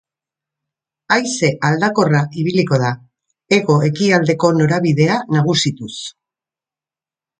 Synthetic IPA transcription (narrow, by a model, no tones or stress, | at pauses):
ajse̞ʔald̪ako̞raʔiβ̞iliko̞ð̞a | e̞ɣo̞e̞kiald̪e̞ko̞no̞ɾaβiðe̞anaɣ̞usit̪us